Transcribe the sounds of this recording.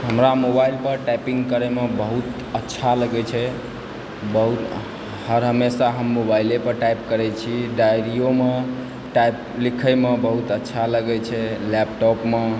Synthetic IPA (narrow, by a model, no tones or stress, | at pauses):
ɦəmɾamobailpəɾʈapĩŋɡkəɾɛmebəɦut̪ | ətːʃʰaləɡɛt͡ʃʰɛ | bəɦut̪ | həɾɦəmesaɦəmːobailepəɾʈajp̚kəɾɛt͡ʃʰiɖajɾijome | ʈajp | likʰəmebəɦut̪ətːʃʰaləɡɛt͡ʃʰɛlɛpʈɔpme